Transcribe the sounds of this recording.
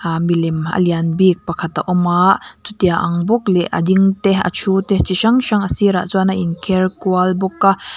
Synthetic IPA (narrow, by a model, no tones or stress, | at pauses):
milimɐ̰lianbik̚pɐkʰat̪a̰ʔɔmaʔtut̪iaʔɐŋbɔk̚lɛʔɐ̰d̪iŋt̪ɛɐ̰t͡ʃʰut̪ɛt͡siʃaŋʃaŋɐsiɾa̰ʔt͡suanaʔinkʰɛrkualbɔkːa